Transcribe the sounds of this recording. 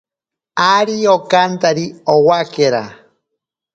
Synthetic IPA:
aɾiokant̪aɾiowakeɾa

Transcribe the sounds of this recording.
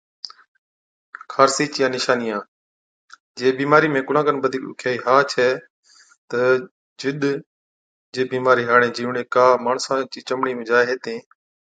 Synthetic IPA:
kʰaːɾsiːt͡ʃjãːnɪʃaːnɪjãː | d͡ʒeːbiːmaːɾiːmẽːkʊlãːɡənbəd̪ʱiːkɗʊ̰kʰjaːiːɦaːt͡ʃʰɛː | t̪ə | d͡ʒɪɗ̪ | d͡ʒeːbiːmaːɾiːɦaːɽẽːd͡ʒiːʋɳeːkaːmaːɳsãːt͡ʃiːt͡ʃəmɳiːmẽːd͡ʒaːɦeːt̪ẽː

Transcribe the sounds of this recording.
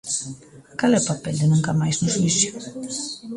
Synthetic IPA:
kalɛʊpapɛld̪enũŋkamajznʊswiθjʊ

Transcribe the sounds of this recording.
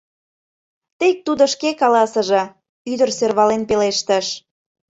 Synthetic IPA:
t̪ek̚t̪ud̪oʃkekɑlɑsə̆ʒɤ̆ | yd̪ərserβɑlenpeleʃt̪ə̆ʃ

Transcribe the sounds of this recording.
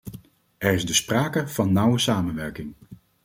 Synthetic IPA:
ɛɹɪzdəspraːkəv̥ɑnːʌwəsaːmənʋɛɹkɪŋ

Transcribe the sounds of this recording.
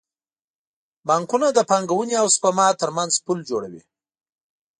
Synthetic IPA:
bɑŋkunad̪əpɑŋɡawuniawspamɑt̪əɾmanzpuld͡ʒoɽa̰wḭ

